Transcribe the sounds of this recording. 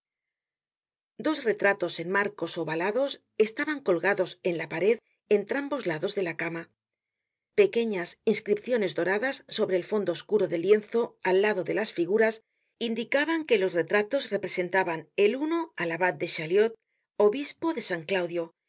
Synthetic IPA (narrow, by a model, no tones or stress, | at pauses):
d̪o̞zre̞t̪ɾat̪o̞se̞nmaɾko̞so̞βalaðo̞s | e̞st̪aβaŋko̞lɣaðo̞se̞nlapaɾe̞ð | e̞nt̪ɾambo̞zlaðo̞zðe̞lakama | pe̞ke̞ɲasinskɾipθjo̞ne̞zd̪o̞ɾaðasːo̞βɾe̞ːlfo̞nd̪o̞ːskuɾoðe̞lje̞nθo̞alːaðo̞ðe̞lasfiɣuɾas | ind̪ikaβaŋke̞lo̞sre̞t̪ɾat̪o̞zre̞pɾe̞se̞nt̪aβane̞luno̞alaβat̪̚d̪e̞ʃaljo̞t̪̚ | o̞βispo̞ðe̞saŋklawðjo̞